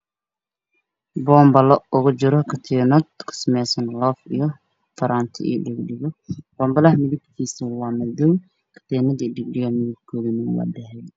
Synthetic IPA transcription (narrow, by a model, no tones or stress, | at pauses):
bɔːmbɐlɔʊɣʊd͡ʒɪɾɔkʰɐt̪ʰɛnɐd̪kʰɪ̥smɛjsɐnlɔːfḭjɔ | fɐɾaːnt̪ʰɪ̰ʔḭɖɪɡɖɪɣɔb̥ɔːmbɐlɐhmɪðɪb̚kʰiːsɐwɑːmɐduw | kʰɐ̥t̪ʰɛnɐd̪iɖɪɡɖɪɣɔmɪðɪb̚kʰɔːðinɐwɑ̰ːd̪ɛɦɛj